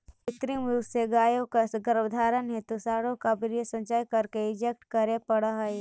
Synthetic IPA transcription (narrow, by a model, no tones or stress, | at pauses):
ɪt̪ɾiʋuseɡaːjõkasɡəɾʋd̪ʱaːɾənɦɛt̪osaːɽõkabɪɾjəsɐ̃nd͡ʒaːjkɐɾkeɪd͡ʒek̚ʈkɐɾepɐɽaɦae